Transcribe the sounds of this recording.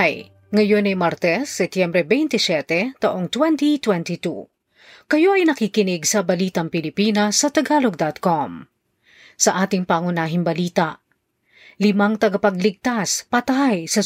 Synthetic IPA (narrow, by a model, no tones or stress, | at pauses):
j | ŋɐjo̞nɐjmɐɾt̪ɛsːɛt̪jɛmbɾɛbɛjnt̪ɪsjɛt̪ɛt̪ɐʔo̞ŋt̪wɛnt̪it̪wɛnt̪it̪ṵ | kɐjo̞ʔɐjnɐkiːkɪnɪɡsɐbɐliːt̪ɐŋpɪlɪpinɐsːɐt̪ɐɡaːloɡ̚d̪at̪̚kom | sɐʔaːt̪ɪŋpɐŋʊnaːɦɪŋbɐliːt̪ɐʔ | lɪmaŋt̪ɐɡɐpɐɡlɪɡ̚t̪aspɐt̪ajsɐ